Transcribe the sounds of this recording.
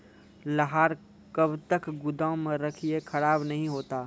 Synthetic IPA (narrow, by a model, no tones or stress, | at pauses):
lɐɦaːɾ | kɐbt̪əkɡʊd̪amẽɾɐkʰiekʰɐɽaːbnɐɦĩɦoːt̪aː